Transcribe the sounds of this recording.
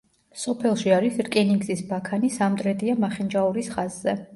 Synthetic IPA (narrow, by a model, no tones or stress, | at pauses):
sɔpʰɛlˠʃiaɾisɾkʼɛniŋɡzisbakʰanisamd̪ʼɾɛd̪iamaχɛnd͡ʒauɾisχazːɛ